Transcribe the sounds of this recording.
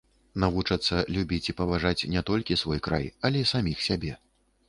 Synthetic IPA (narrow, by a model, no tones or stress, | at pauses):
navut͡ʂɐt̪sːɐlʲubʲit͡sʲipɐvaʐat͡sʲnʲɛt̪ɔlʲkʲisvɔjkɾa̰jɐlʲɛisamʲixsʲabʲɛ